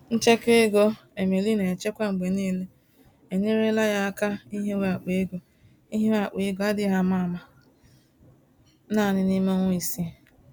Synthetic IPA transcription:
n̩˦t͡ʃe˦ke˦e˦ɡo˦ | e˨me˨li˦ne˨t͡ʃe˦kʷa˦ŋ͡m̩˨ɡ͡be˨neː˦le˦ | e˨ɲe˦ɾe˦la˦ja˦a˦ka˦i˦ɦe˦we˦a˨k͡pe˨e˦ɡo˨ | i˦ɦe˦e˦a˨k͡pe˨e˦ɡo˨a˦dɪ˦ɦa˦ma˦˨ma˨˦ | na˦˨nɪ˦ni˦mo˦ŋʷʊ˦i˨si˦˨

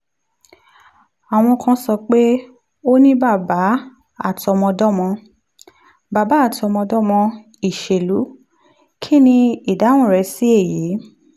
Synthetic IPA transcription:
a˨w̃ɔ̃˧kã˧sɔ˧k͡pe˦ | o˦nĩ˦ba˦˨ba˨˦ | a˦˨tɔ˧mɔ̃˧dɔ˦mɔ̃˧ | ba˨ba˨˦a˦˨tɔ˧mɔ̃˧dɔ˦mɔ̃˧ | i˨ʃe˨lu˨˦ | kʰi˦nĩ˧i˨da˨˦w̃ũ˦˨ɾɛ˧si˨˦e˦˨ji˨˦

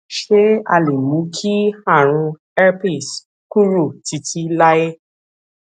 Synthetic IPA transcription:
ʃe˦a̰˧le˨mũ˨˦kʰi˦a˦˨ɾ̃ũ˧ | ɛ˦pi˦˨s | ku˦ɾu˦˨ti˨˧ti˦la˦je˦

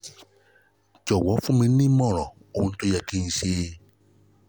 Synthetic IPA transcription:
d͡ʒɔ˨wɔ˨˦fu˦mẽ˧˦nĩ˦mɔ̃˦˨ɾɔ˨ | o˨n̩˦tu˧jɛ˧ki˧n̩˧seː˦

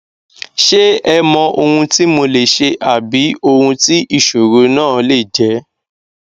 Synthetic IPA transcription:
ʃe˦ɛ˧mɔ̃˧ʔo˧hũ˧ti˦mo˧le˨ʃe˧ʔa˨bi˨˦o˧hũ˧ti˦ʔi˦˨ʃo˨ɾo˨˦nãː˦˨le˦˨d͡ʒɛ˨˦

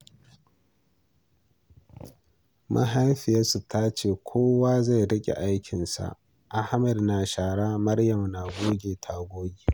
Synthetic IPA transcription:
mʔa̰˦ɦa˦jɸɪ˨ja˦su˨taː˦t͡ʃeː˨kʷʰoː˦waː˦za˦˨jɽɐ˦kʲʼḛ˨ʔa˦jkʲʰɪ˨nsa̰˨ | ʔa˦hmɛ˨dnaː˨ʃaː˨ɽaː˦mɐ˦ɽjɐ˨mnaː˨ɡʷoː˦ɡʲeː˨tʰa˨ɡʷoː˦ɡʲi˨

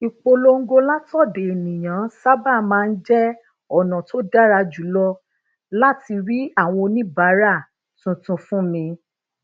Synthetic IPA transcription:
i˨k͡po˧lo˧ŋ̩˦ɡo˧la˦tɔ˦˨de˨e˨nĩ˨j̃ã˨˦sa˦ba˦˨mãː˦˧n̩˦d͡ʒɛ˦ | ɔ˦˨nã˨to˦da˦ɾa˧d͡ʒu˨˦lɔ˧ | la˦ti˧ɾi˦a˦˨w̃ɔ̃˧nĩ˦ba˨˦ɾa˦˨ | tũ˧tũ˧fũ˦mĩ˧

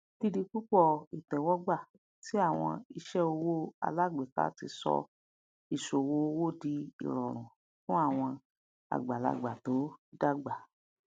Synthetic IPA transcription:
di˧di˧k͡pu˦k͡pɔ˦˨i˨tɛ˨wɔ˦ɡ͡ba˦˨ | ti˨˦a˦˨w̃ɔ̰̃˧i˧ʃɛ˦o˧wo˦a̰˧la˦˨ɡ͡be˨ka̰˦ti˧sɔ̰˧ | i˨ʃo˨wo˦o˧wo˦˨di˧ḭ˨ɾɔ˨ɾ̃ũ˨ | fũ˦a˦˨w̃ɔ̃˧ | a̰˨ɡ͡ba˨la̰˧ɡ͡ba˨to˨˦da˦˨ɡ͡ba˨

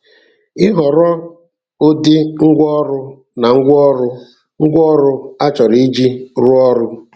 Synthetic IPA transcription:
ɪ˦ɦɔ˨ɾɔ˦ | o˦dɪ˦ŋ̩˦ɡʷɔ˦ɾʊ˦ | na˨ŋ̩˦ɡʷɔ˦ɾʊ˦ | ŋ̩˦ɡʷɔ˦ɾʊ˦a˦t͡ʃɔ˨ɾi˨˦i˦d͡ʒi˦ɾʊ˦ɔ˦ɾʊ˦

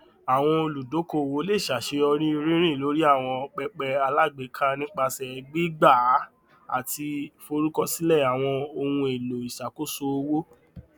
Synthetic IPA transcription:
a˨w̃ɔ̃˧o˧lu˨do˨˦ko˧˨wo˨˦le˦˨ʃa˨ʃe˧ɔ˧ɾ̃ĩ˦˧ɾĩ˦ɾ̃ĩ˦˨lo˨˦ɾi˦a˦˨w̃ɔ̃˧k͡pɛ˧k͡pɛ˧a˧la˦˨ɡ͡be˨˦kʰa˦nĩ˦k͡pa˧sɛ˨˧˨ɡ͡bi˦ɡ͡ba˦˨˦ | a̰˨ti˧fo˧ɾu˦kɔ˧si˦lɛ˦˨a˨w̃ɔ̃˧o˧wũ˧e˨lo˨i˨ʃa˨ko˨˦so˧o˧wo˦

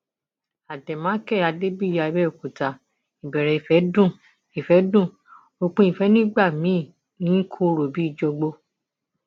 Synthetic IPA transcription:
a˨dɛ˨mãː˨˦kɛ˦˨a˧de˦bi˦˨ja˧i˧˦bɛ˦o˨ku˨ta˨ | i˨bɛ˨ɾɛ˨i˨fɛ˨˦dũ˦˨ | i˨fɛ˨˦dũ˦˨ | o˧k͡pũ˧˦i˦˨fɛ˨˦nĩ˦ɡ͡ba˦˨mĩ˨˦˨ | nĩ˨˦kʰu˧ɾo˨bi˨˦i˦˨d͡ʒɔ˧ɡ͡bo˧

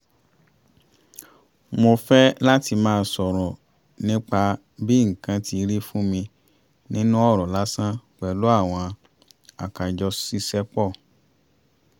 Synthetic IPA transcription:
mo˧fɛ˦la˦ti˧mãː˦˧sɔ˨ɾɔ˨ | nĩ˦k͡pa˧ | bi˦ŋ̩˨kã˨˦ti˧ɾi˦fũ˦mĩ˧ | nĩ˦nũ˦ɔ˦˨ɾɔ˨la˦sã˦k͡pɛ˨lu˦a˦˨w̃ɔ̃˧ | a˨ka˨d͡ʒɔ˧si˦sɛ˦k͡pɔ˦˨

